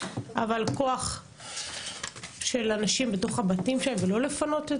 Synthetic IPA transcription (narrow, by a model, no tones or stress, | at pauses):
ʔavalko̞aχ | ʃe̞lanaʃimbeto̞χabatimʃaemvelo̞le̞fano̞te